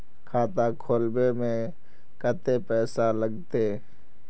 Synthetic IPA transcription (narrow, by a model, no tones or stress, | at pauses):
kʰaːt̪akʰoːlbemẽ | kət̪epɛːsaləɡt̪e